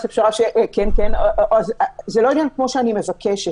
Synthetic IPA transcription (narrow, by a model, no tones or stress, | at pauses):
sefʃaʁaʃeʔkenkenoʔʔazazeloinjankmo̞ʃeanime̞vakeʃe